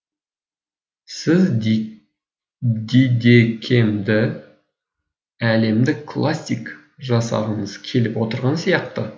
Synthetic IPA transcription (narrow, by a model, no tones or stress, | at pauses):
sɪz | d̪ed̪ekʲʰemd̪ɪ | æle̞md̪ɪkːʰlˠasʲik | ʒɑsɑ̰ʁəɴəzkʲʰe̞lɪpwo̞t̪əɾʁɑnsijɑq̚t̪ə